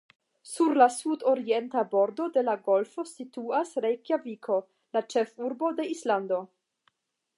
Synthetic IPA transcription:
suɾlasudo̞ɾientabo̞ɾdo̞de̞laɡo̞lfo̞situasɾejkjavikʰo̞ | lat͡ʃe̞fuɾbo̞de̞islando̞

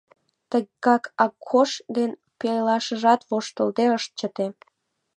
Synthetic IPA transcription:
t̪əɣɣɑkɑkʰːoʃd̪en | pellɑʃəʒɑt̪βoʃt̪əlt̪eəʃt̪̚t͡ɕət̪e

